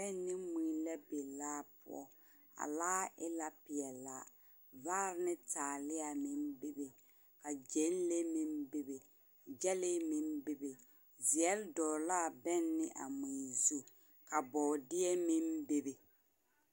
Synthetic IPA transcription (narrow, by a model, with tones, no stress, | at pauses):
bɛ˦nːɪ˦mi˨lɛ˦be˨laː˦pʊ̰˦ɔ̰˦ | a̰˨laː˦ʔɪ˦la˦pɪ˨ɛ˨la˨ | vaː˦ɾɪ˦nɪ˦taː˨lɪ˦a˨mi˦mbe˦be˨ | ka˨d͡ʒe˨˦n˦le˦mi˦mbe˦be˨ | d͡ʒɛ˦lɪ˦mi˦mbe˦be˨ | zi˨ɛ˦ldɔː˨la˦˨bɛ˦nːɪ˦ʔa̰˨mi˨zi˦ | ka˨bɔ˨dɪ˦ɛ˦mi˦mbe˦be˨